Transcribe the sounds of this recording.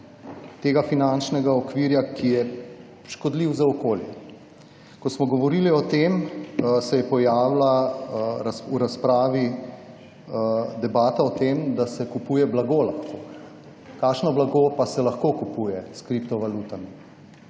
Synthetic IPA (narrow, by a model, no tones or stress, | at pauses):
t̪eːɡafinant͡ʃnɛɡaɔkʋiːɾjakʰijɛ | ʃkɔd̪liwzaɔkoːljɛ̰ | kɔsmɔɡɔʋɔɾiliɔt̪emsɛjɛpɔjaːwlaɾasuɾaspɾaːʋi | d̪ɛbaːt̪aɔt̪eːmd̪asɛkupuːjɛblaɡolaxkʰo | kaːkʃnɔblaɡoːpasɛlaxkoːkupujɛskɾipt̪ɔʋalut̪ami